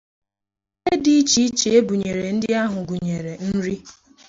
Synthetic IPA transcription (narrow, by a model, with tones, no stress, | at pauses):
e˦di˦i˦t͡ʃi˦i˦t͡ʃe˨e˦bu˨ɲe˨ɾe˨n̩˦dɪ˦a˦ɦʊ˨ɡu˨ɲe˨ɾe˨n̩˦ɾi˦